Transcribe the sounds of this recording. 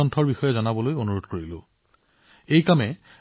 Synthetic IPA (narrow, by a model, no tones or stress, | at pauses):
ɔntʰɔɹbixɔjɔzɔnabɔlojonuɹodkoɹilʊ̃ | ejkamɛ